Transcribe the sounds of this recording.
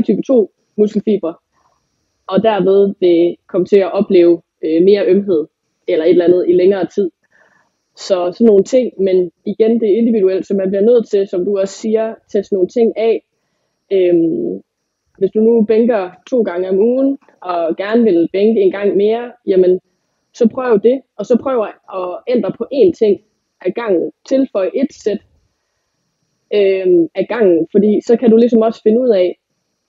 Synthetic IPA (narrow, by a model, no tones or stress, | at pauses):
t͡sʰyb̥t͡sʰo̝̰ː | musɡ̥l̩fḭːb̥ʁɐ | ɒ̽d̥æɐʋeð̞ˠʋe̝kʰɒ̽mət͡sʰe̝æʔɒ̽b̥le̝̰ːʊ | øme̝ːɐʔømɦe̝ð̞̰ˠ | elɐe̝d̥elænð̩ˠileŋɐːt͡sʰið̰ˠ | sɒ̽sɒnːo̝ːn̩t͡sʰe̝ŋ̰meniɡ̥end̥e̝æɐe̝nd̥iʋiɾuel̰d̥sɒ̽mːænb̥liɐnøð̞̰̩ˠt͡sʰe̝lsɒ̽md̥uɒ̽ssiːɐt͡sʰesd̥no̝ːnt͡sʰe̝ŋ̰ɛ | øm | ʋe̝sd̥unub̥eŋɡ̥ɐt͡sʰo̝̰ːɡ̥ɑ̈ŋəɒ̽muːn̩ | ɒ̽ɡ̥æɐnəʋe̝lb̥eŋɡ̥əe̝ːnɡ̥ɑ̈ŋ̰me̝ːɐjæmən | sɒ̽pʰʁœʊd̥ud̥e̝ɒ̽sɒ̽pʰʁœːʊɐʔɒ̽en̰d̥ʁɐpʰɒ̽ʔe̝ːnt͡sʰe̝ŋ̰ | ʔæɡ̥ɑ̈ŋ̰n̩t͡sʰe̝lfɒɪəʔe̝d̥sed̥ | øæɡ̥ɑ̈ŋ̰n̩fɒ̽dḭːsɒ̽kʰædulisɒ̽mɒ̽sə̥fe̝nəuð̞̰ˠɛ